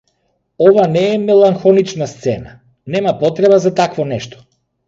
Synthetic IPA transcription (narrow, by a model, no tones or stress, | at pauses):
ɔvanɛːmɛlˠaŋxɔnit͡ʃnast̪sɛna | nɛmapɔt̪ɾɛbazat̪akvɔnɛʃt̪ɔ̥